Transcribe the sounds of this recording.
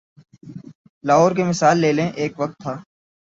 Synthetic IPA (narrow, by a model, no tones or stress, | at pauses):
laːɦoːɾkemɪsaːlːeːlẽʔeːkʋək̚t̪ʰːaː